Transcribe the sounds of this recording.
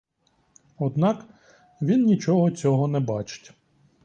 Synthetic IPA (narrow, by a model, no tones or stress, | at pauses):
ɔd̪nɑk | ʋʲinnʲit͡ʃɔɦɔt͡sʲɔɦɔnɛbɑt͡ʃɪ̥tʲ